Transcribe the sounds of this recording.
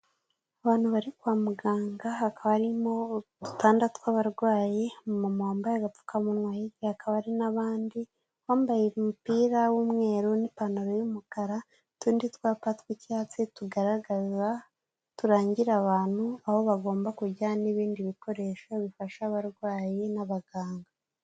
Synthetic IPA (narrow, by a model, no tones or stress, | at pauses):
aβaːn̥huβaɾikwaːmuɡaːŋɡahakaβaɾimodu̥tʰaːndatwaːβaɾɡwaːjemumamaːmbajaɡap͡fu̥kamunŋwajiɟihakaβaɾinaβaːndi | waːmbajemupiːɾawumŋe̞ːɾunipanoɾojumukaɾa | tuːndit̪waːpatwicaːt͡situɡaɾaɡaza | tuɾaːɲɟiɾaβaːn̥huaho̞βaɡo̞ːmbakuɟaniβiːndiβiko̞ɾe̞ːʃoβifaʃaβaɾɡwaːjenaβaɡaːŋɡa